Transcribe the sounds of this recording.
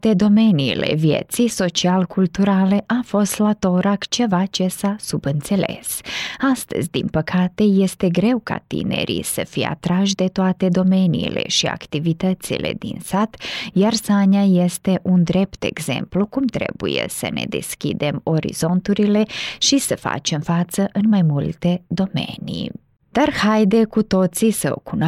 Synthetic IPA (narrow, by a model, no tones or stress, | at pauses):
t̪ed̪omeniːlḛʋjḛt̪sisot͡ʃialkult̪uɾaːleʔafoslat̪oɾakt͡ʃeʋat͡ʃesasubənt̪selḛsast̪əzd̪impəkʰat̪ejɛst̪eɡɾewka̰t̪ḭnḛɾḭsəfia̰t̪ɾaʒd̪et̪oat̪ed̪omeniːlḛʃia̰kt̪iʋit̪ət̪sḭlḛd̪ḭnsat̪jarsanaje̞st̪e̞ʔund̪ɾe̞pt̪e̞ɡz̥e̞̰mplukumt̪ɾe̞̰bujḛsə̰ne̞̰d̪e̞skʲḭd̪e̞mo̞ɾḭz̥o̞nt̪uɾile̞ʃisəfa̰t͡ʃe̞mfat̪səʔɨnmajmult̪e̞d̪o̞me̞̰ni | d̪̥arhajd̪e̞kut̪o̞t̪sisəo̰kun